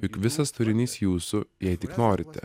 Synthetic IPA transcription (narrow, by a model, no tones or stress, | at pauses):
ʊkʋʲɪsɐst̪ʊɾʲɪnʲiːsjuːsʊjɛɪt̪ʲɪknoːɾʲɪt̪ʲɛ̰